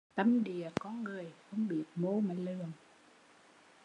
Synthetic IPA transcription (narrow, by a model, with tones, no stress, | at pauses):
t̪ə˧mɗi˨˩əkɔ˧˦nŋɨ˨˩əjxə˧wŋ͡mɓi˨˩ət̚mo˧˦maː˨˩lɨ˨˩əŋ